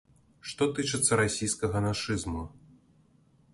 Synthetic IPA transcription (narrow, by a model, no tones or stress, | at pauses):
ʂt̪ɔt̪ɨt͡ʂɨt̪sːɐɾasʲijskɐɣɐnaʂɨzmu